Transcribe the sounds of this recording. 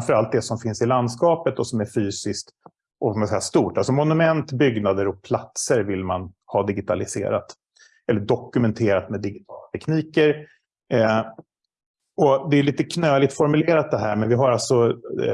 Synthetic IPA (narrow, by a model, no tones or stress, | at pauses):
mfœɾalt̪̚d̪ɛsɔmfɪnsɪland̪skɑːpət̪ɔsɔmæɾfyːsɪskt̪ | ʔɔmasɛjːast̪uːʈalsɔmɔnɵmɛnt̪bʏɡnad̪əɾɔk̚pʰlat̪səɾvɪlmanhɑːd̪ɪɡɪt̪ʰa̰lɪsḛːɾa̰t̪ | ɛlːəɖɔkːɵmɛnt̪ʰeːɾat̪mɛd̪ɪɡɪt̪ʰɑːlat̪ʰɛkniːkəɾ | ɔd̪ɛjʉliːt̪əkʰnøːlɪt̪fɔɾmɵleːɾat̪̚d̪ɛɦæːɾmɛnvɪɦaɾalt̪sɔ